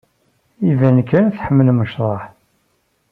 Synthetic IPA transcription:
ivænkːænθħəmːəlməʃɾˤɑħ

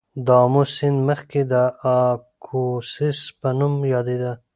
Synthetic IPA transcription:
d̪ɑmosɪnd̪məxked̪əakʰosɪspənumjɑd̪ed̪a

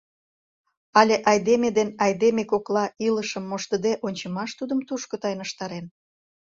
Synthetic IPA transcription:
ɑlʲeʔɑjd̪emed̪enɑjd̪emekoklɑiləʃəmːoʃt̪əd̪eʔonʲt͡ɕəmɑʃt̪ud̪əmt̪uʃkot̪ɑjnəʃt̪ɑɾen

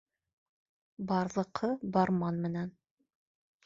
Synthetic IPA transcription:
bɑɾlˠɤ̆qʰɤbɑɾmɑnmɘ̆næn

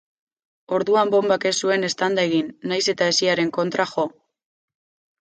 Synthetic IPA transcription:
o̞ɾðuambo̞mbake̞sue̞ne̞st̪and̪aeɣ̞inːajse̞t̪ae̞siaɾe̞ŋko̞nt̪ɾaxo̞

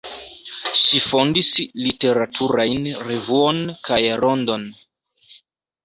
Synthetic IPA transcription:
ʃifo̞ndislite̞ɾatʰuɾajnɾe̞vuonkajɾo̞ndo̞n

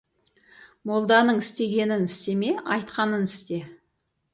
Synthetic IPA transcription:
mo̞lˠd̪ɑnəɴɪst̪e̞ɡʲe̞nɪnɪst̪e̞me̞ɑjt̪qɑnənɪst̪e̞

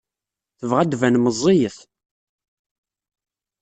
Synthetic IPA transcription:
θəvʁæd̪vænməzˤːijəθ

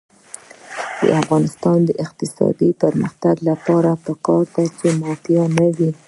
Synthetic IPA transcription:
d̪̥ə̰ʔafɣɑnɪst̪ɑnd̪əʔɪqt̪ɪsɑ̰d̪ipəɾmə̰xt̪aɡlapɑɾapəkɑɾt̪at͡ʃemɑt̪janawi

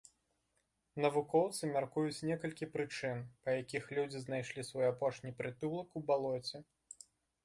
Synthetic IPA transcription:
nɐvukɔwt̪sɨmʲarkujut͡sʲnʲɛkɐlʲkʲipɾɨt͡ʂɨnpɐjakʲixlʲud͡zʲiznajʂlʲisvɔjapɔʂnʲipɾɨt̪ulˠɐkubalˠɔt͡sʲɛ

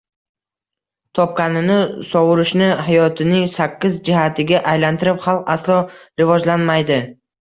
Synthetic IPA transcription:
t̪ʰɒp̚qanɪnɪsɒwʊɾɪʃnɪɦajɒt̪ʰɪnɪŋsakʲʰːɪzd͡ʒɪhat̪ʰɪɡʲaʔajlant̪ʰɪɾɪpχalˠqaslˠɒɾɪvɒd͡ʒlanmajd̪ɪ

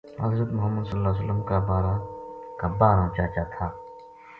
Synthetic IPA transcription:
ɦɐ̰zɾət̪mʊɦəmːəd̪səllːaːs̬ələmkaːbaːɾakaːbaːɾãːt͡ʃaːt͡ʃaːt̪ʰaː

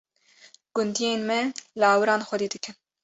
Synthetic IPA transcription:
ɡ̥ʊnd̪ijeːnmɛlɨɑːwɨɾɑːnxɔd̪eːd̪ɨkʰɨn

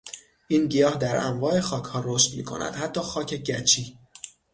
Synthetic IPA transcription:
ʔiːnɟijɒːhd̪æɾæ̰mvɒːe̞xɒːcʰhɒːɾoːʃt̪miːkʰo̞̰næ̰d̪̥hæt̪ʰːɒːxɒːcʰe̞ɟæt͡ʃʰiː

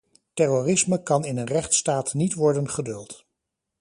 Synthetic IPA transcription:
tɛrorɪsməkɑnɪnənrɛχtstaːtnitʋɔɹdənχədɵlˠt

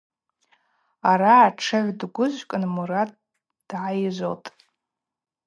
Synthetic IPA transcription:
aɾaːʈ͡ʂʰɨʕʷdɡʷʊʒʷkʼɨnmuɾatʼ | d̥ʕajʒʷo̰tʼ

